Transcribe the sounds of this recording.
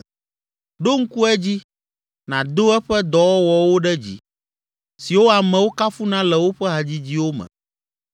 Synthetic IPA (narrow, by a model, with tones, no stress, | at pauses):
ɖo˦ŋ̩˦ku˦ɛ˦d͡ʑi˦ | nã˨d̪o˦ɛ˦ɸɛ˦d̪ɔ˨wɔ˦wɔ˨wo˦ɖɛ˦d͡ʑḭ˦ | si˨wo˦a˨mɛ̃˨wo˦ka˦fu˦nã˦lɛ˨wo˦ɸɛ˦ɦa˨d͡ʑi˦d͡ʑi˦wo˦mɛ̰̃˨